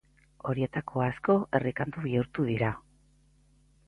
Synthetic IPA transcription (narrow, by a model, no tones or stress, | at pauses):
o̞ɾie̞t̪akʰo̞asko̞ʔe̞rikand̪uβiuɾt̪uðiɾa